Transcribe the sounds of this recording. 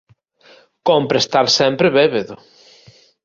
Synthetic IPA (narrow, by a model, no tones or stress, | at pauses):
kompɾest̪aɾsɛmpɾɪβeβeðʊ